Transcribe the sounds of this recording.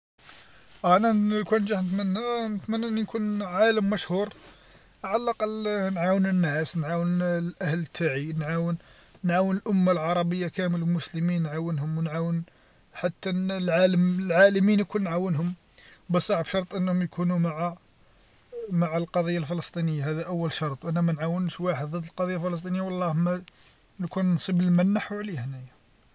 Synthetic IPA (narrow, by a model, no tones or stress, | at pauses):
ʔæʕnælkunʒaħnət̪mənːænət̪mænːæʔnːinkʰunʕaləmːæʃhuɾ | ʕalːɑqlnʕawənənːæsnʕawənlʔæhlət̪ʰːaʕinʕawənː | ʕawənəlʔʊmːalʕɑɾˤɑbəjːakæmələlmʊsləminːʕawənɦʊmwnʕawən | ħat̪ːænlʕaləmlʕaləminjkunːʕawənɦʊm | bəsˤɑʕbʃɑɾˤt̪ˤʔənːhʊmjkʰunumaʕa | maʕalqɑd̪ˤijːalfələst̪ˤinəjːahæd̪æʔəwːəlʃɑɾˤt̪ˤwʔænæmænʕawənʃwaħəd̪ˤðˤəd̪ːəlqɑd̪ˤijːafələs̬t̪ˤinəjːawɑlˤːɑhmæ | nkunnsˤibəlmænːaħuʕlihnæjæ